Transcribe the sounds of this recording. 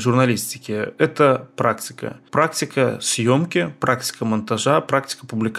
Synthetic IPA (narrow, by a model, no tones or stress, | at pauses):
ʐʊrnɐlʲisʲtʲɪ̥kʲɪɛt̪əpɾʔaktʲɪ̥kə̰pɾak̚tʲɪkəsʲjomkʲɪpɾaktʲɪ̥kəmɐnt̪aʐapɾak̚tʲɪ̥kəpʊblʲɪk